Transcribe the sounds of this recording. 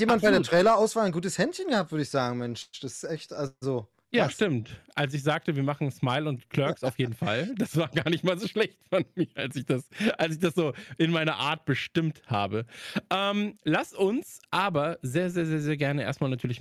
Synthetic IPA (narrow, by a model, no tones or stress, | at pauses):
jeːmmant̚b̥aɪdeːtʁ̥ɛɪlɐʔaʊsv̥aːlnɡuːtəshɛntçənɡəhaːp̚tvʏɐdəɪçz̥aːɡŋ̩mɛnʃd̥asɪ̥sʔɛçtʔalzo | jaːʃtɪmtʔals̬ɪçz̥aːk̚təviːɐmaχn̩smaɪlʊntkʰl̥œɐksaʊfjeːdn̩fa̰ld̥asv̥aːɐɡaːɐnɪçtmaːlzoːʃlɛçtfɔnmiːɐʔalsɪçd̥asʔals̬ɪçd̥asz̥oːʔɪnmaɪnɐʔa̰ːɐt̚b̥əʃtɪmtha̰ːbəʔɛːmlasʊnsʔaːbɐzeːɐzeːɐzeːɐzeːɐɡɛɐnəʔḛɐstmaːlnatʰyːɐlɪç